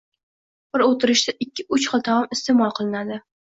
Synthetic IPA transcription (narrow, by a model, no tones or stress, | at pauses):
b̥ɪɾot̪ʰɪɾɪʃt̪aʔɪkʲːɪʊt͡ʃχɑt̪ʰaamɪst̪emɒlˠqʰɨlˠɪnad̪ɪ